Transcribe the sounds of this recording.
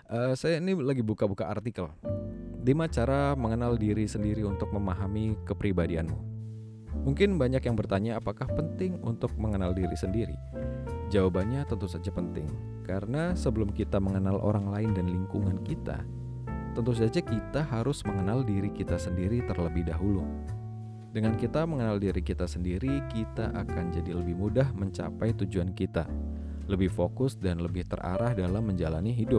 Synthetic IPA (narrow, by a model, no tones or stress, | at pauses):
ʔəːsajainilaɡibukabukaːrt̪ikəl | dimat͡ʃaɾaməŋənaldiɾisəndiɾiunt̪ʊk̚məmaɦamikəpɾibadianmṵ | muŋkɪnbaɲakjaŋbərt̪aɲaːpakahpənt̪ɪŋṵnt̪ʊk̚məŋənaldiɾḭsəndiɾḭ | d͡ʒawabanɲat̪ənt̪usad͡ʒapənt̪ɪ̰ŋ | kaɾənasəbəlʊmkit̪aməŋənalʔo̰ɾaŋlaɪndanliŋkuŋankit̪a̰ | t̪ənt̪us̬ad͡ʒakit̪aɦaɾʊsməŋənaldiɾikit̪asəndiɾit̪ərləbɪhdaɦulu | dəŋankit̪aməŋənaldiɾikit̪asəndiɾikit̪aʔakand͡ʒadiləbɪhmudahməɲt͡ʃa̰pajt̪ud͡ʒuankit̪a̰ | ləbɪhfokʊsdanləbɪht̪ə̰rʔa̰ɾahdalamːəɲd͡ʒalaniɦidʊp̚